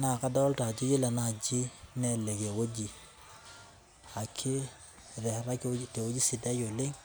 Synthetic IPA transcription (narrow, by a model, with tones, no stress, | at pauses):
na˨ka˦dɔ˦lta˨d͡ʒo˦je˦la˨na˨d͡ʒi˦nɛ˦le˨ke˨wo˦d͡ʒi˨ | a˨kʰe˦˨ | ɾɛ˨hɾa˦kte˨wo˦d͡ʒi˦si˨da˦jo˨lɪ˦ŋ